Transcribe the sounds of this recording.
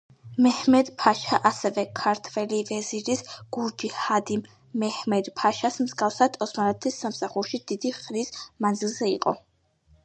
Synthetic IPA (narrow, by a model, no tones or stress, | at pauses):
mɛhmɛd̪pʰaʃaʔasɛvɛkʰaɾt̪ʰvɛlivɛziɾisɡ̥uɾd͡ʒihad̪imː | ɛhmɛd̪pʰaʃasmzɡafsad̪ɔsmanɛt̪ʰisːamsaχuɾʃid̪id̪iχnismand̪zilˠzɛḭqʼɔ̰